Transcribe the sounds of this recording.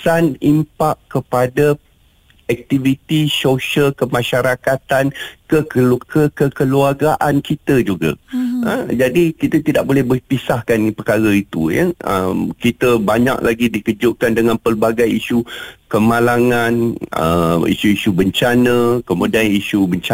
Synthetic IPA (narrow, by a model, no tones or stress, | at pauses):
sanimpakːəpada | ɛk̚t̪ivit̪isoʃəlkəmãʃaɾakat̪ankəkəkəkəluaɡaʔankit̪əd͡ʒuɡa̰ə̰d͡ʒadikit̪ət̪idaʔ̚bolɛhbəpisahkanipəkaɾəit̪ṵja̰ə̰mkit̪əbaɲa̰k̚laɡidikəd͡ʒʊʔkandəŋãnpərbaɡajiʃukəmalaŋãnə̰ḭʃuiʃubəɲt͡ʃanə̃kəmudaniʃubəɲt͡ʃa